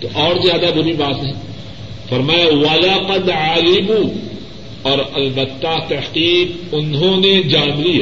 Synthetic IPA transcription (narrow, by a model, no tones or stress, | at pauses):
t̪oʔɔːɾzjaːd̪abʊɾibaːt̪nɦɛ̃ | fɐɾmaːjawɐlɐqɐd̪ʕaːɡɪbu | ɔːɾɐlbɐt̪ːaːt̪ɐhqiːqʊnɦõned͡ʒaːnlijaː